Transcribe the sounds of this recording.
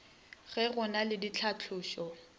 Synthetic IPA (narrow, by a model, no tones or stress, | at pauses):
ɣɛɣʊnalɪdit͡ɬʰat͡ɬʰʊːʃɔ